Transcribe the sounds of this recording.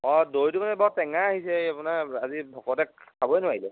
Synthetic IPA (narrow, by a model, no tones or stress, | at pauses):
ɔdojtukanɛbɔtɛŋaːɦisɛapunaɹazibʱɔkɔtɛabɔjnʊwaɹilɛ